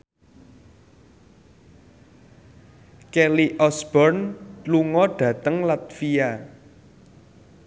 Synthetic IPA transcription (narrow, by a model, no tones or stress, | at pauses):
kɛliʔɔsb̥ɔrnluŋɔɖ̥ä̤t̪əŋlat̪fia